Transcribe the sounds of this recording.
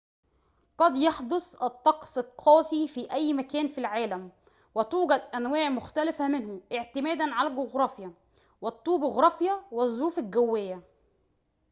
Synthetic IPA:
qɑd̪jɑħd̪osˤʔɑt̪ˤːɑqsˤɑlqʰɑːsifiːʔæjːmækæːnfilʕaːlæm | wɪt̪uːɡæd̪ʔænwæːʕmʊxt̪ælɪfæmɪnhʊʔɪʕt̪ɪmæːd̪ænʕalælɡoɣɾˤɑːfjæ | wɪt̪ˤːuːbɪɣɾˤɑːfjæwɪzˤːɾuːfɪlɡæwːɪjːæ

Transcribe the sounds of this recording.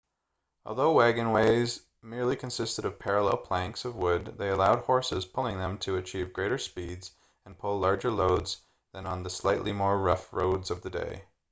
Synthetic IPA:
ɔ̰lˠðoʊwæɡɨ̃nweɪz | mɪɹlikʰɨ̃nsɪstɨɾʌv̥pʰɛɹəlɛ̰lˠpʰl̥æ̃ŋksʌvwʊd̪̚ðeɪɨlaʊd̚hɔɹsɨz̥pʰʊlˠɪ̃ŋðɨ̃mtʰɨɨt͡ʃʰivɡɹeɪɾə˞spidz̥ | ɨ̃npʰʊlˠɑɹd͡ʒə˞loʊdz | ðɨ̃nə̃nðɨslaɪʔˡlʔimɔɹɹʌfɹoʊdzʌvðɨdḛɪ

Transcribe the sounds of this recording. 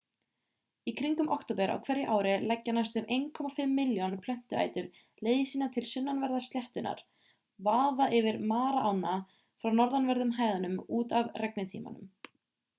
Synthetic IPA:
ikʰɾiŋkʏmʔɔ̰wkt̪owpɛɾʔa̰wkʰvɛɾjɪʔaːwɾɪlɛcːanast̪ʏmʔejnkʰɔmafɪmːɪljɔnpʰlɛm̥t̪ʏa̰ːjt̪ʏɾ | leːjðɪsiːnat̪ʰɪlsʏnːanvɛɾðḁst̪jɛht̪ʏnʔa̰ɾ̥ | vaːðaʔɪvɪɾmaːɾaʔawna | fɾawnɔɾðanvɛɾðʏmɦaːjðanʏmuːt̪avrɛknɪt̪ʰḭːma̰nʏ̰m

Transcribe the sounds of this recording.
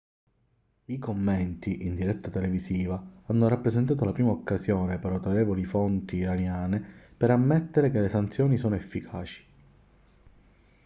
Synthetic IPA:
ikomːɛnt̪iʔind̪iɾɛt̪ːat̪eleviziːvaanːoɾapːɾeszent̪̬aːt̪olapɾiːmaokːazjɔːnepeɾat̪oɾeːvolifont̪iːɾanjaːnepeɾamːɛt̪ːeɾekelesant̪sjɔːnisɔːnoefːikʰaːt͡ʃi̥

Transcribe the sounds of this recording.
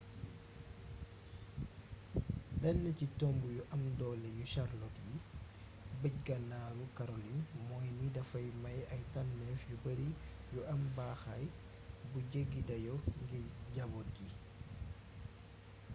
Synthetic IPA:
bɛnːɛcitɔmbujuʔamdɔːlɛjuʃaɾlɔtji | bəcɡanaɾukaɾolinmɔjnidafajmajajtanːɛfjubəɾijuʔambaxaj | buɟeɡidajɔŋɡiɟabɔt̚ɡi

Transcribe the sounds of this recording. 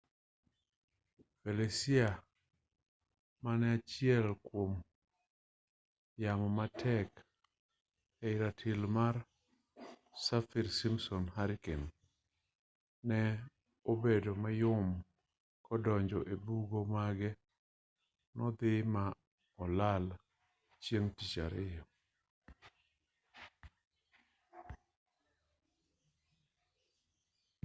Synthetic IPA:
felesia | manɛat͡ʃɪɛlkwom | jamɔmatʰɛk | ɛɪɾatʰɪlmar | safiɾsimsɔnhaɾken | nɛ | obedomajʊm | kɔdɔɲd͡ʒɔʔebuɡomaɡɛ | nɔd̪ɪma | ɔlal | t͡ʃjeŋtit͡ʃa̰ɾɪjɔ

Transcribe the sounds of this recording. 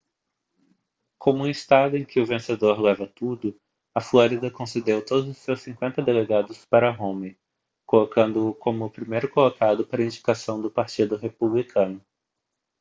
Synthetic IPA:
kʰõmʊuist̪ad̪ʊẽj̃kɪʊvẽsed̪oɾlɛvɐt̪ud̪ʊ | ɐfloɾid̪ɐkõsed̪ewt̪od̪ʊzʊsːewsĩkwẽnt̪ɐd̪eleɡad̪ʊspaɾɐɦõmɪ | kolokɐ̃nd̪ʊːkõmʊːpɾimejɾʊkolokad̪ʊpaɾɐĩd͡ʒikasɐ̃w̃d̪ʊpaɾt͡ʃid̪ʊɦepublikʰɐ̃nʊ

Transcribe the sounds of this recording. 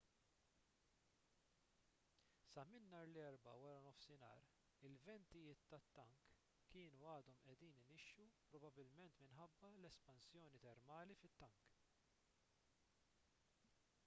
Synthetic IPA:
sɐmɪnːɐːɾlɛɾbɐ̰wɐɾɐnɔfsɪnɐ̰ːɾ | ɪlvɛnt̪ɪjɪːt̪ːɐt̪ːɐŋkː | ɪːnuɐːd̪ɔmʔɛd̪iːnɪnɪʃjupɾɔbɐbɪlmɛnt̪mɪnħɐbːɐlɛspɐnsjɔːnit̪ɛɾmɐːlifɪt̪ːɐŋk

